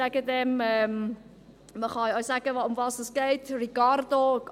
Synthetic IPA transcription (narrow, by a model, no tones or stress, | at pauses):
aɡədɛmɛm | məχɑɔsaɡəʊmvɑːsəsɡ̥eɪtrikɑrdo